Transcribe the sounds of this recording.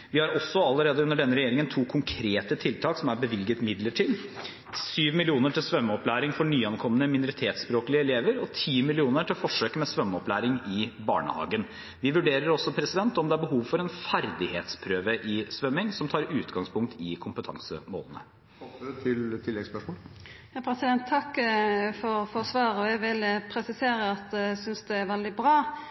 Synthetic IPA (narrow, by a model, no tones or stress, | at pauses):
ʋɪhɑɾɔsːɔɑlːəɾeːd̪əʉnəɖɛnːəɾɛjeːɾɪŋənt̪ʰuːkʰʊŋkʰɾeːt̪ət̪ʰɪlt̪ʰɑːksɔmæɾbəʋɪlɡət̪mɪd̪ləʈʰiːd̪ | syːʋmɪlɪuːnəʈʰɪlsʋœmːəɔplæːɾɪŋfɔɳyːɑnkʰɔmːənəmɪnʊɾɪt̪ʰeːt̪spɾoːklɪəɪleːʋəɾɔt̪ʰiːmɪlɪuːnəʈʰɪlfɔʂøːkmɛsʋœmːɔplæːɾɪŋɪbɑ̰ːɳə̰hɑ̰ːɡən | ʋɪʋʉɖeːɾəɾɔsːɔpʰɾɛsɪd̪ɛnt̪ɔmd̪ɛæɾbəɦuːʋfɔɾɛnfæɾd̪ɪheːt̪spʰɾøːʋəʔɪsʋœmːɪŋsɔmt̪ʰɑːɾʉːt̪ɡɑŋspʰʊŋk̚t̪ʰɪkʰʊmpət̪ʰɑ̰ŋsə̰mo̰ːlənə̰ | t̪ʰɪlt̪ʰɪlːɛɡspœʂmoːjɑːpʰɾɛsɪd̪ɛnt̪ʰːɑkːfɔɾfɔsʋɑːɾəɔɛɡʋɪləpʰɾɛsɪseːɾəɑt̪̚d̪ɛsʏnsd̪ɛæɾʋɛld̪ɪbɾɑː